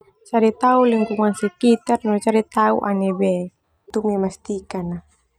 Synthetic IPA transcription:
t͡ʃaɾit̪auliŋkuŋansɛkit̪arnot͡ʃaɾit̪aṵʔa̰niβɛ | t̪umimast̪ikana

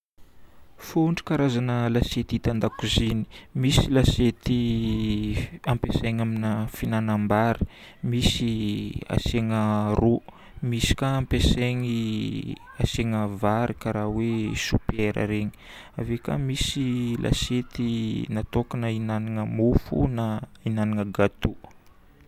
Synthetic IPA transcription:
foɳʈ͡ʂi̥kaɾazanəlaset̪it̪and̪akuzini̥misilaset̪i | ampeseŋaminəfinanambaɾi̥ | misia̰seŋəru | misi̥kaːmpeseŋi | aseŋəvaɾikaɾawesupeɾʔə̰ɾeɲi̥ | aveka̰misilʔa̰set̪inat̪okanəinaniŋəmufṵnainaniŋəɡat̪u

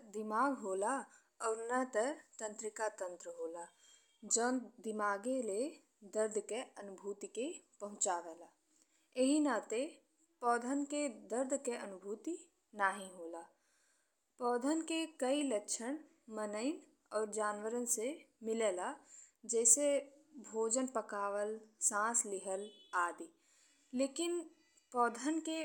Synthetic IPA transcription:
d̪ɪmaːɡɦoːla | ɔːɾnət̪ət̪ə̃nt̪ɾɪkat̪ə̃nt̪ɾəɦoːla | d͡ʒɔːnd̪ɪmaːɡele | d̪əɾd̪ʱkeənʊbʱuːt̪ikepəɦʊ̃t͡ʃaːʋɛːlaː | eɦinat̪e | pɔːd̪ʱənked̪əɾd̪ʱkeənʊbʱuːt̪i | naːɦĩɦoːlaː | pɔːd̪ʱənkekəiləkʃʰəñ | mənəɪn | ɔːɾd͡ʒaːnwəɾənsemɪleːlad͡ʒɛːsebʱoːd͡ʒənpəkaːwəlsãːslɪɦəlaːd̪iː | leːkɪn | pɔːd̪ʱənke

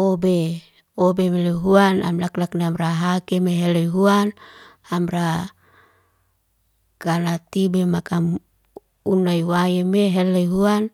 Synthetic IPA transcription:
obe | obemeleɦuana̰mlaklakneamɾaɦakemeɦeleiɦuan | amra | kanat̪ibemakam | unaiwajemeɦelːeiɦuan

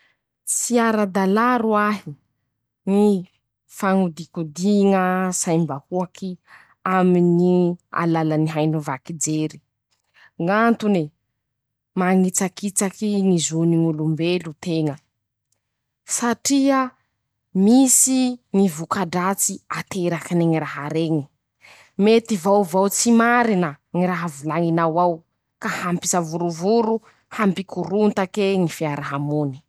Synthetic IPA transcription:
siaɾad̪alaɾuaɦi | ni | faŋud̪ikud̪iŋəsajmbahuakʰi | aminia̰lalaniɦajnuvakid͡zeɾi̥ | ŋant̪une | maŋit͡sakit͡sakinizuniŋulumbelut̪eŋə | saʈ͡ʂiə | misiŋivukaɖ͡ʐat͡siat̪ʰeɾakineŋiɾaɦaɾeŋi | met̪ivawvawt͡simaɾinə | ŋiɾaɦavulaŋinawaw | kahampi̥savuɾuvuɾu | hampikʰuɾunt̪akeŋifiaɾʔaɦamuni̥

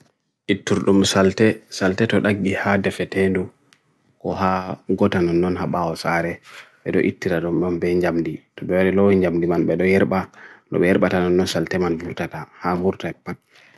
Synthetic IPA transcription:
ʔitːuɾɗumsaltɛsaltɛtɔɗaɡːihadɛfɛtendu | kɔhaɡɔtanɔnːɔnhaɓawɔsaɾɛɓɛ̰ɗɔ̰ʔitːiɾaɗɔmbɔmbɛɲd͡ʒamditɔɓɛwaɗɛlohiɲd͡ʒamdimanɓɛɗɔjɛɾɓanɔ̰ɓɛjɛɾɓatanɔnːɔnsaltɛmanvuɾtatahavuɾtapːat̚

